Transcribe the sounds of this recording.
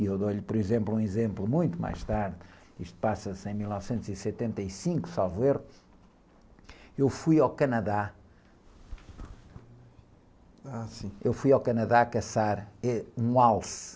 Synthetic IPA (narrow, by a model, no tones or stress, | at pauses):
iewðoʎpɔɾizẽmplˠũizẽmplˠumũj̃t̪uma̰jʃt̪aɾð | iʃt̪u̥pasɐsẽj̃milˠnɔvsẽnt̪uzisɨt̪ẽnt̪ɐisĩŋku̥salˠveɾ | ewfujawkɐnɐða | asĩewfujawkɐnɐðaɐkɐsaɾɛũalˠs